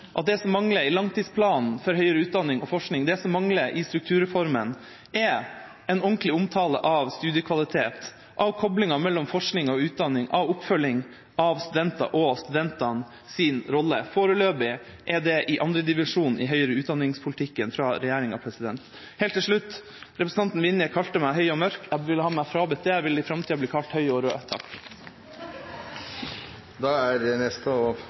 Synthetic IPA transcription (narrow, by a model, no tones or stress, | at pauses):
ʔɑt̪̚d̪ɛsɔmːɑŋləɾɪlɑŋt̪ʰiːd̪spʰlɑːnn̩fɔɾɦœʏəɾəʉːt̪̚d̪ɑnːɪŋɔfɔʂknɪŋd̪ɛsɔmːɑŋləɾʔɪst̪ɾʉk̚t̪ʰʉːɾəfɔɾmən | ʔɛ | ɛnɔŋklɪʊmt̪ʰɑːlə̰ʔɑʋst̪ʉːd̪ɪəkʰʋɑlɪt̪ʰeːt̪ | ʔɑʋkʰɔblɪŋɑmɛlːɔmfɔʂknɪŋɔʉːt̪̚d̪ɑnːɪŋʔɑʋʊpfœlːɪŋ | ɑʋst̪ʉd̪ɛnt̪ɑ̰ʔɔst̪ʉd̪ɛnt̪ɑn | sɪnɾɔlːəfoːɾəløːbɪ | ʔɛd̪ɛʔɪʔɑnd̪ɾəd̪ɪʋɪʂuːnʔɪ̰ɦœʏəɾəʉːt̪d̪ɑnːɪŋspʰʊlt̪ʰɪkːənfɾɑːɾɛjæːɾɪŋɑ̰ʋpʰɾɛsɪd̪ɛnt̪ | heːlt̪ʰːɪlʂɭʉt̪ː | ɾɛpɾs̩ɑnt̪n̩ʋɪnːjəkʰɑlt̪əmæɪɦœʏɔmœɾkæʋɪlːəhɑːmæfɾɑːbət̪ʰeːʋɪlːɪfɾɑmt̪ʰiːɑbliːkʰɑlt̪hœʏɔɾøːt̪ʰɑ̰k | d̪ɑːæɾnɛst̪əɔ